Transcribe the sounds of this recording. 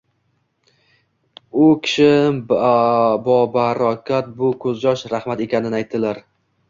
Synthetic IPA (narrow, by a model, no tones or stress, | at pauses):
ʊkʲʰɪ̥ʃɪ | bɒbaɾɒkʲʰat̪̚bʊkʰɵzd͡ʒɒʃɾaχmat̪e̞kʲʰanɪnajt̪̚d̪ɪlaɾ